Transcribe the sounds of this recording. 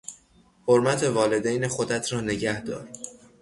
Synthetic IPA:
hoɾmæt̪ʰe̞vɒːle̞d̪ejnexod̪æt̪ʰɾɒːne̞ɟæhd̪ɒ̰ːɾ

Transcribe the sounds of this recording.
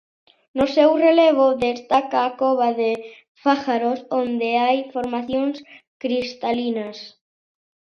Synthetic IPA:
nosewreleβ̞oðest̪akaːkoβaðe | faxaɾosond̪eajfoɾmaθjõŋs | kɾist̪alinas

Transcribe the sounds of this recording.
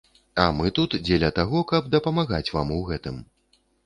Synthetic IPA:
ɐmɨt̪ut̪d͡zʲelʲɐt̪aɣɔkɐbd̪ɐpɐmaɣat͡sʲva̰muɣɛt̪ɨm

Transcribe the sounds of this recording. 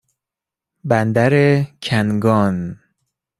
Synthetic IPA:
bænd̪æɾecʰænɡɒːn

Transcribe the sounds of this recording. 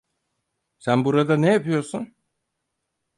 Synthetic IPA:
sænbuɾad̪anejapɯjo̞ɾsun

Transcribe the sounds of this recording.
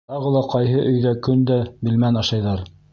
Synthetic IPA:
t̪ɑʁɤ̆lˠɑqɑjɦɤʔɵ̆jðækɵnd̪æbɘ̆lmænɑʃɑjðɑɾ

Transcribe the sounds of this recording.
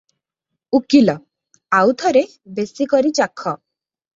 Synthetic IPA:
ukilɔ | awt̪ʰɔɾe | besikɔɾit͡ʃakʰːɔ

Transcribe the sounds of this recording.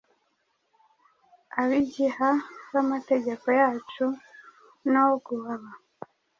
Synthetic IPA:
aβiɟihaβamate̞ɟe̞ko̞jaːt͡ʃu | nawoɡuhaβa

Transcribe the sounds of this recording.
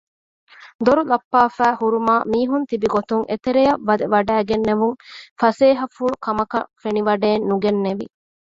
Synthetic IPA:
d̪oɾulɐpːaːfæːhuɾumaːmiːɦunt̪ibiɡot̪uŋʔet̪eɾejɐʋːɐd̪eʋɐɖæːɡenːeʋuŋfɐseːɦɐfuɭukɐmɐkɐfeniʋɐɖeːnːuɡenːeʋḭ

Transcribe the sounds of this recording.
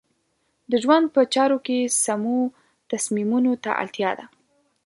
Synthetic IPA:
d̪əʒwand̪̚pət͡ʃɑɾokesamo | t̪asmimunot̪a̰ʔa̰lt̪jɑd̪a

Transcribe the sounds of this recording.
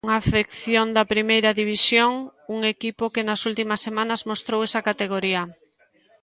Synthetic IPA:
ŋafekθjond̪ɐpɾimejɾɐðiβisjoŋuŋekipokenɐsult̪imɐsːemãnɐzmost̪ɾowɛsɐkat̪eɣ̞oɾiɐ

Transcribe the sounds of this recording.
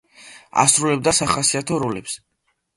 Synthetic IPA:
a̰sɾulɛb̚d̪asaχasiat̪ʰɔɾulɛps

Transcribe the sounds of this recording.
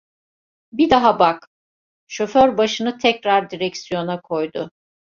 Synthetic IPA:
bid̪aɦabak | ʃo̞føɾbaʃɯnɯt̪ʰɛcɾaɾd̪iɾɛcsijo̞nakʰo̞jd̪ʊ

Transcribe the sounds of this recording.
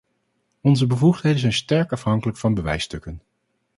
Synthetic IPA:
ɔnzəbəvuχtɦejdənzɛjnstɛɹkɑfɦɑŋkələkfɑnbəʋɛ̰jstɵkən

